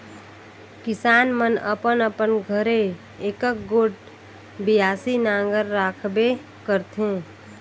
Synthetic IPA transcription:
kisanmənə̰pənəpənɡʱəɾe | ekək̚ɡoʈ̚ | bijasinaŋɡəɾːakʰbe | kəɾt̪ʰẽ

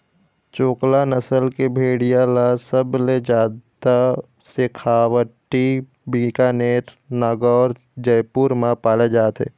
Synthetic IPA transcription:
t͡ʃoːklanəsəlkebʱeːɽijãlasəbled͡ʒaːdd̪a | sekʰaːwəʈːi | bikaːneːʈ | naːɡɔːɾ | d͡ʒəjpuɾmãpaːled͡ʒaːt̪ɦḛː

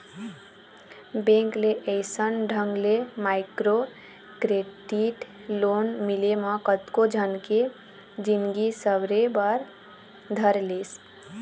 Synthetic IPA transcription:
bẽŋkleʔəɪsənɖʱəŋɡlemaɪkɾo | kɾeɖiʈ | lonmileməkət̪kod͡ʒʱənke | d͡ʒinɡisəbɾebəɾ | d̪ʱəɾles

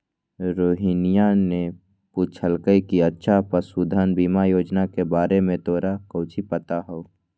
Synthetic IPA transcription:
ɾoːɦinɪjane | put͡ʃʰəlkəikiətːʃʰapəsuːd̪ʱanbiːmajoːd͡ʒnakebaːɾemẽt̪oːɾakəʊt͡ʃʰipət̪aɦoo

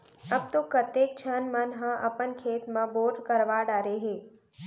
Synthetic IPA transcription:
əbt̪okət̪ek̚t͡ʃʰənmənɦãʔəpənkʰeːt̪mãboːɾɖkəɾʋaːɖaɾeɦe

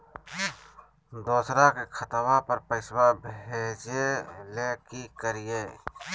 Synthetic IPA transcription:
d̪oːsɾakekʰət̪wãpəɾpəɪswabʱeːd͡ʒeleːkikəɾijeː

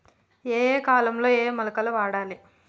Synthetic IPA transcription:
eːkaːlɐmlo̞ːeːmɐlɐkɐluʋaːɽaːli

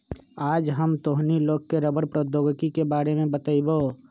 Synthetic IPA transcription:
aːd͡ʒɦəmt̪oɦniloːɡkeɾəbəɾpɾəd̪oːɡkikebaːɾemẽbət̪əibo

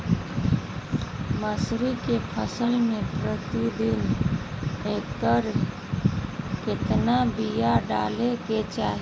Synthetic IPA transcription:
məsɾikepʰəsəlmẽpɾət̪id̪in | etəɾ | ket̪nabijaɖa̰leket͡ʃaɦi

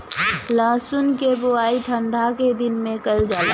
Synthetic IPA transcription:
laːsʊnkeboaːiʈʰə̃ɳɖʱaked̪ɪnmẽkəld͡ʒaːlaː

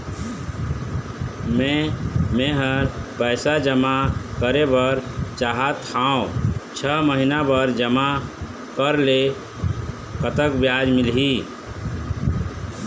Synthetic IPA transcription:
mẽmeɦəɾpəjsad͡ʒəmakəɾebəɾt͡ʃaɦət̪ʰãʊ̃t͡ʃʰəməɦinabəɾd͡ʒəma | kəɾle | kət̪əkbjad͡ʒmilɦi

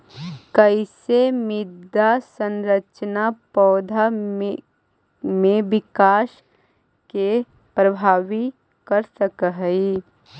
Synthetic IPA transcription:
kɐɪsemɪd̪ʱasə̃nɾət͡ʃnapɔːd̪ʱa | mẽʋɪkaːʃ | ke | pɾɐbʱaːʋi | kɐɾsəkəɦi

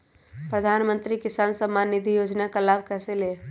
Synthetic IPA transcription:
pɾəd̪ʱaːnmə̃nt̪ɾikɪsaːnsəmːaːnːɪd̪ʱijoːd͡ʒnakalaːbkɛːseleː

